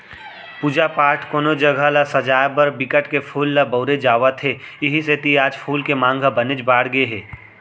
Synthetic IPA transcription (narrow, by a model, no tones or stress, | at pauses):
puːd͡ʒapaːɾʈʰkoːnod͡ʒɐɡʱalasɐd͡ʒaːjbɐɾbɪkəʈkepʰuːlːabəːɾed͡ʒaːʋat̪ʰeɪɦiset̪iaːd͡ʒpʰuːlkemãːŋɡʱabɐned͡ʒbaːɽɡeɦɛː